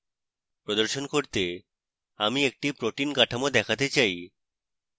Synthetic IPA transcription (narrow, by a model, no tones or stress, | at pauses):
pɾod̪oɾʃonkoɾt̪e | amiek̚ʈipɾoʈinkaʈʰamod̪ɛkʰat̪et͡ɕaj